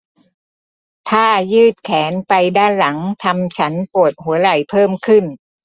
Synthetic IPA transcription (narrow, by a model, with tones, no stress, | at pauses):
t̪ʰaː˥˩jɯː˥˩t̪̚kʰɛː˩˦npa˧jdaː˥˩nla˩˦ŋt̪ʰa˧mt͡ɕʰa˦˥npu˨˩ət̪̚hu˩˦ɐɾa˨˩jpʰɤː˥˩mkʰɯ˥˩n